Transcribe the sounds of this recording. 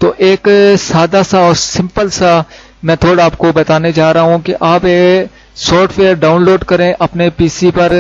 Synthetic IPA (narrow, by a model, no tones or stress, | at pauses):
t̪oːʔeːksaːd̪asaɔːɾsɪ̃mpəlsa | mɛ̃ːt̪ʰoːɽaːp̚kobɐt̪aːned͡ʒaːɾɐɦɦũkiʔaːpe | sɔːɾʈʰfeːəɾɖaːʊnloːɖkɐɾẽʔɐpnepiːsipɐɾ